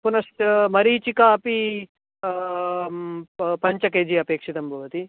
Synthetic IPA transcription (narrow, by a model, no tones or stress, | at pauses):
punɐsʈmɐɾiːt͡ʃikaːpi | pɐɲt͡ʃɐkeːd͡ʒiɐpeːkʂit̪ɐmbʱɐʋɐt̪i